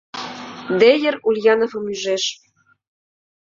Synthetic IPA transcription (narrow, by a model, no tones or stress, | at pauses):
d̪ejɘ̆ɾulʲjɑnofɤ̆myʒeʃ